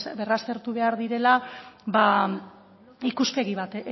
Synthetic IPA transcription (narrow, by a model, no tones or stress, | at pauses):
berast̪e̞ɾt̪uβe̞aɾðiɾe̞laba | ikuspe̞ɣiβat̪